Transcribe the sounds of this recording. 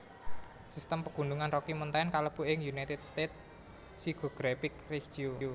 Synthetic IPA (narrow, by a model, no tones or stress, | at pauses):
sist̪əmpəɡ̥ṳnd̪uŋanrɔkimənt̪ankaləb̥uɪŋjunajt̪ɪd̪̥st̪et̪̚ | siɡ̥o̤ɡ̥ɾafɪk̚re̥d͡ʒiuu